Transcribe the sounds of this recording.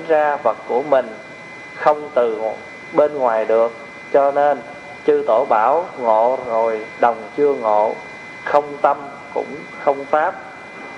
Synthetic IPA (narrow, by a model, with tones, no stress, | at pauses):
nzaː˧və˨˩t̚ku˧˩əmï˨˩ŋ̟ | xə˧wŋ͡mt̪ɨ˨˩˨ | ɓe˧nŋwaː˨˩jɗɨ˨˩ək̚ | t͡ɕɔ˧ne˧n | t͡ɕɨ˧t̪o˧˩ɓaː˧˩wŋo̰˧˨zo˨˩jɗə˨˩wŋ͡mt͡ɕɨ˧əŋo̰˧˨ | xə˧wŋ͡mt̪ə˧m | kʊ̰˧˥ŋ͡m | xə˧wŋ͡mfaː˦˥p̚